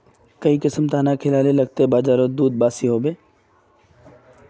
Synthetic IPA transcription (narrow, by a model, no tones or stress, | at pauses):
kɐikɪsəmt̪ʰaːnakʰɪlaːlelɐɡ̚t̪ebaːzaːɾod̪uːd̪̚baːsiɦoːbeː